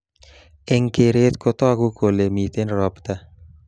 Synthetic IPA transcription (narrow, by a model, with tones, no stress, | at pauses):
e˨ŋke˨ɾe˦t̪ko˧t̪ɔ˦ɡu˦kʰo˨le˨mi˨t̪e˦nɾɔ˨pt̪a˦